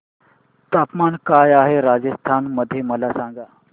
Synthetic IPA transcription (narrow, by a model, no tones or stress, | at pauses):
t̪apmankajaɦeɾad͡ʑəst̪ʰanməd̪ʱːjeməlasãŋɡa